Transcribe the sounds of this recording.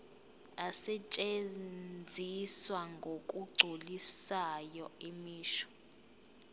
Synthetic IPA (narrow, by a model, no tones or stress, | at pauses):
asɛt͡ʃʼennd͡zʱiswaŋɡʱokʼuɡ͡ǀʱolisajɔemiːʃɔ̥